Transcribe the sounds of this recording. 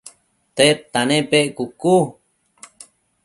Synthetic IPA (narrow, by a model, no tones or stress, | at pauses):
t̪et̪ːanẽpeʔkuku